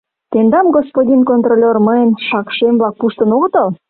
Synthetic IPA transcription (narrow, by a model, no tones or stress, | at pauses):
t̪end̪ɑmɡospod̪ʲinkont̪rolʲerməjənʃɑkʃemblɑk̚puʃt̪ənoɣət̪əl